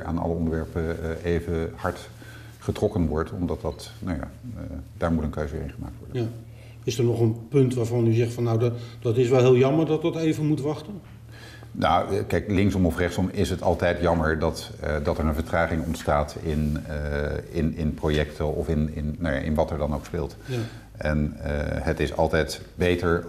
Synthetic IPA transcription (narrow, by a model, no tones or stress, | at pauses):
ʔa̰ːnɑ̰ləɔndəɹʋɛɹpəejvəhɑɹt | χətrɔkənʋɔɹtɔ̰mdɑt̚dɑt | nawja̰ːd̥aːɹmutənkøɥzəʋɪ̰ːɪnχəma̰ːktʋɔ̰ɹdə | ɪsəɹnɔχənpɵntʋaːɹvɑnyzɛχtfɑnːawdd̥ɑtɪsʋɛlˠɦɪːlˠjɑməɹdɑtdɑtejvənmutʋɑχtən | nawkɛjklɪŋksɔmɔfrɛχsɔmɪsɦətɑlˠtɛjtjɑməɹdɑtːdɑtɛɹənvəɹtraːχɪŋɔ̰ntstaːtɪn | ɪnɪnprojɛktʰəɔfɪnɪnnːaja̰ːʔɪ̰nʋɑtɛɹdɑnoʊwkspɪːlˠt | ʔɛnɦətɪsɑ̰lˠtɛjt | bejtəɹ